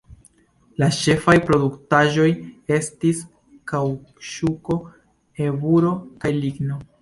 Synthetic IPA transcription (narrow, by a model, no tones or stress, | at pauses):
lat͡ʃe̞fajpɾo̞duktaʒo̞je̞stis | kawʃuko̞ | e̞vuɾo̞kajliɡno̞